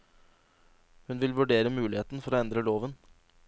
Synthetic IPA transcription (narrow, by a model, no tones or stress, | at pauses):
hʉnʋɪlʋʉɖeːɾəmʉːlɪheːt̪n̩fɔɾoːɛnd̪ɾəloːʋən